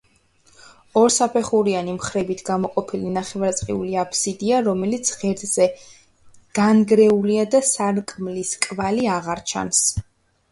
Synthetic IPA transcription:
ɔɾsapʰɛχuɾianimχɾɛbit̪ʰɡamɔqʼɔpʰilinaχɛvaɾt̪sʼqʼḭuliapʰsid̪iaɾɔmɛlit̪sʰʁɛɾd̪z̥ɛ | ɡ̥anɡɾɛuliad̪asaɾkʼmliskʼvaliaʁaɾt͡ʃʰa̰ns

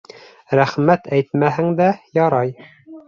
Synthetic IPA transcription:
ɾæχmæt̪æjt̪mæɦɘŋd̪æjɑɾɑj

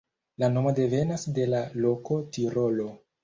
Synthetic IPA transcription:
lano̞mo̞de̞ve̞nasde̞lalo̞ko̞tiɾo̞lo̞

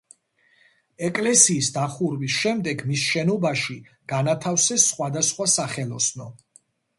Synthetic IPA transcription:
ɛkʼlɛsiːsd̪aχuɾvisʃɛmd̪ɛɡmisʃɛnɔbaʃi | ɡ̥anat̪ʰafsɛsːχwad̪asχwasaχɛlˠɔsnɔ

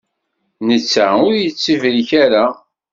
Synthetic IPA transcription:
nət͡sːaʊɾjət͡sːivɾiçæɾa

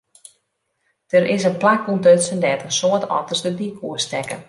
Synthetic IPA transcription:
d̥əɾɪsənplakuntøtsəndɛtənsoətʰɔ̰tərsdədikʰuəstɛkə̰

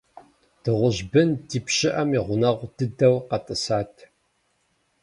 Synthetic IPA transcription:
d̥ɨʁʷʊʑbɨntʰiːpɕɪʔɐmiʁʷʊnɐʁʷdɨdɐwqɐtʼɨsaːtʰ

